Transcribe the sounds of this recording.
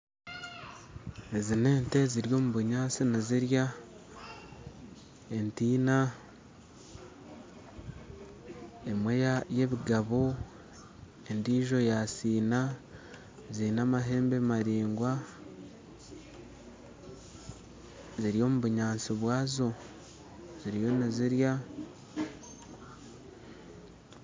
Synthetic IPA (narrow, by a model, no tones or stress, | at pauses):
e̞zine̞ːnte̞ziɾjo̞ːmuβuɲaːnsineziɾja | e̞ntiːna | e̞mwe̞ːjaje̞βiɡaβo | e̞ndiːʒo̞jasiːna | ziinamaɦe̞ːmbemaɾiːŋɡwa | ziɾijo̞ːmuβuɲaːnsiβwaːzo̞ | z̥iɾijo̞neziɾja